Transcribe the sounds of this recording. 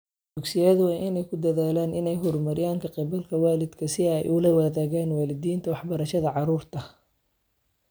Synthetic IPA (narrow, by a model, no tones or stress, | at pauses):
d̪ʊɡsɪjɛːðʊwaːʔɪnɛjkʰʊd̪ɐðaːlaːnʔɪnɛjɦɔrmɐɾɪjaːŋkʰɐqɪbɐlkʰɐwaːlɪd̪kʰɐsɪɛjʔʊlɐwɐðaːɣɛːnwaːlɪd̪iːnt̪ʰɐwɑħbɐɾɐʃɐðɐʕɑɾuːrt̪ʰɐ